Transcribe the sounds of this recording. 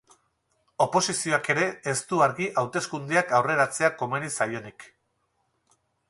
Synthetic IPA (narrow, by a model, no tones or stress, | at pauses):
o̞po̞sisio̞ake̞ɾe̞ːst̪uaɾɣiʔawt̪e̞skund̪eakawre̞ɾat͡se̞ako̞me̞ɾisajo̞nik